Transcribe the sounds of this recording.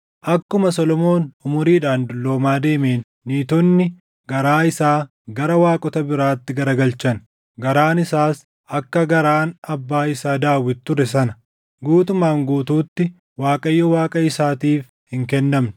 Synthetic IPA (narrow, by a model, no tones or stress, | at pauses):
ʔɐkːʊmɐsɔlɔmo̞ːnʊmʊɾiːᶑaːnd̪ʊlːo̞ːmaːd̪e̞ːme̞ːnːiːt̪ɔnːɪ | ɡɐɾaːɪsaː | ɡɐɾɐwaːkʼɔt̪ɐbɪɾaːt̪ːɪɡɐɾɐɡɐlt͡ʃɐn | ɡɐɾaːnɪsaːs | ʔɐkːɐɡɐɾaːnɐbːaːɪsaːd̪aːwːɪt̪ːʊɾɛsɐnɐ | ɡuːt̪ʊmːaːŋɡuːt̪uːt̪ːɪ | waːkʼɐjːɔwaːkʼɐɪsaːt̪iːf | hɪŋkɛnːɐmnɪ̥